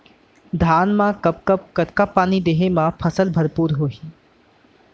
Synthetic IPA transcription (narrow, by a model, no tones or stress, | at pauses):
d̪ʱaːnmãkɐpkəp̚kət̪kapːaːnid̪eːɦemãpʰɐsəlbʱɐɾpuːɾɦoːɦiː